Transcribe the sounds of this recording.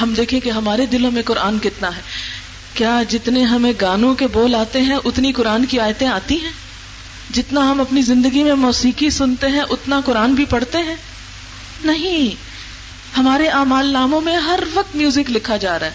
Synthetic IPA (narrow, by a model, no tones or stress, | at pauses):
ɦɐmd̪eːkʰẽkeɦɐmaːɾed̪ɪlõmẽkʊɾʔaːnkɪt̪naɦɛː | kjaːd͡ʒɪt̪neɦɐmẽɡaːnõkeboːlaːt̪eɦɛ̃ʔʊt̪nikʊɾaːnkiaːjt̪ẽaːt̪iɦɛ̃ː | d͡ʒɪt̪naɦɐmɐpnizɪ̃nd̪əɡimẽmɔːsiːkisʊnt̪eɦɛ̃ʔʊt̪nakʊɾaːnbʱipɐɽt̪eɦɛ̃ː | nɐɦĩ | hɐmaːɾeʔaːmaːlnaːmõmẽɦɐɾʋɐq̚t̪mjuːzɪklɪkʰad͡ʒaːɾaɦɛ